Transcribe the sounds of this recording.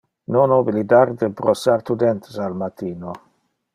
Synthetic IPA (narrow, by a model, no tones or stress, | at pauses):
nonobilid̪aɾd̪epɾosaɾt̪ud̪ɛnt̪ʰesalmat̪iːno